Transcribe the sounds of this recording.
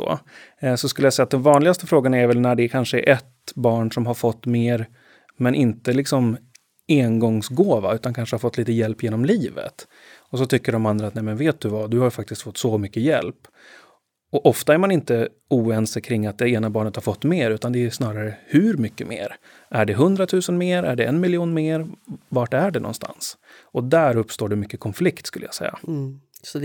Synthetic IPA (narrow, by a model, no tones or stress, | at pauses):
o̰ːsɔskɵləjasɛjat̪d̪ɛmvɑːnlɪɡast̪əfɾoːɡanaæɾvɛlnæɖɛkʰanʂəɾʔɛt̪bɑːɳʂɔmɦaɾfɔt̪ːmeːɾ | mɛnʔɪnt̪əlɪksɔm | eːnɡɔŋsɡoːva̰ʉ̟ːt̪ankʰanʂəhaɾfɔt̪liːt̪əjɛlpːjeːnɔmliːvə̰t̪ | ɔs̬ɔt̪ʰʏkːəɖɔmand̪ɾaːt̪nɛjmɛnveːt̪̚d̪ɵvad̪ɵhaɾjfak̚t̪ɪst̪fɔt̪ːsɔmʏkːəjɛ̰lp | ɔʔɔft̪aæɾmanɪnt̪ə | uːɛnsəkʰɾɪŋːat̪̚d̪ɛeːnabɑːɳət̪haɾfɔt̪ːmeːɾʉ̟ːt̪and̪ɛːʂnɑːɾaɾəhɵɾmʏkːəmḛːɾ | æɖɛɦɵnd̪ɾat̪ʰʉ̟ːsənmeːɾæ̰ɖɛɛnmɪljuːnmeːɾvaʈæɖɛnɔ̰nst̪ʰa̰ns | ɔd̪æɾɵpːst̪oːɖɛmʏkːəkʰɔnflɪkt̪skɵ̰lːəja̰sɛ̰jːa̰s